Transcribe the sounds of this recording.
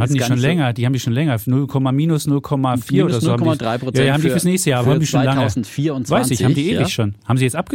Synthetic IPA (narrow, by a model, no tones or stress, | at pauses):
atn̩diʃoːnlɛŋɐd̥iːhabmdiːʃoːnlɛŋɐnʊlkʰɔmamiːnʊsnʊlkʰɔmafiːɐʔoːdɐzonːamidʁaɪojajahabmndifyɐsnɛːçstəjaːɐʔabɐham̩ndiʃoːnlaŋəʊn̩fiːɐʊnvaɪnsɪçsçhaːmndiːʔeːvɪçʃoːnhaːbmziːjɛt͡sʔap̚ɡ̥ə